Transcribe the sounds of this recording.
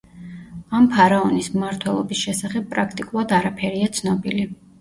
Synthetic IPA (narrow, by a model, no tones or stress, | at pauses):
ampʰaɾaɔnismːaɾt̪ʰwɛlˠɔ̰bisʃɛsaχɛb̚pʼɾakʰt̪ʼikʼulˠad̪aɾapʰɛɾiat̪sʰnɔbili